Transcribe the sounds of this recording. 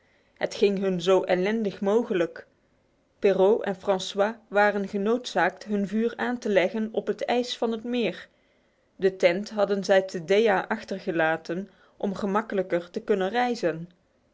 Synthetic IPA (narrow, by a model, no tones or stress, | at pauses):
ɦətχɪŋɦɵnzowʔɛlɛndəχmowχələk | perowʔɛ̰nfrɑnswaːʋaːrənɣənowtsaːktɦɵnvyːraːntəlɛɣənɔpɦətɛjsfɑnɦətmɪːɹ | dətɛntɦɑdənzɛjtʰədejaːʔɑχtərɣəlaːtən | ʔɔmχəmɑkələkəɹtəkɵnənrɛjzən